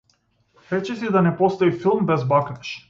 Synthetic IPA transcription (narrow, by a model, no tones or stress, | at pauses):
ɾɛt͡ʃɛsid̪anɛpɔst̪ɔifilˠmbɛzbaknɛʃ